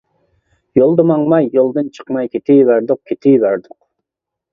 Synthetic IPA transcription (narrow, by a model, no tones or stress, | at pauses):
jolˠd̪əmɑŋmɑjːolˠd̪ɨnt͡ʃʰə̥qmɑjkʲʰet̪ʰɪjvæɾd̪ʊq̚kʲʰet̪ʰɪjvæɾd̪ʊq